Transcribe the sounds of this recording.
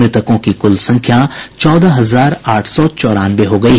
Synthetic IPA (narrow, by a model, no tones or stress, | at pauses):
ɪt̪əkõkikʊlsɐ̃ŋkʰjãt͡ʃɔːd̪aɦɐzaːɾaːʈʰsɔt͡ʃɔːɾaːnbeɦoɡɐiː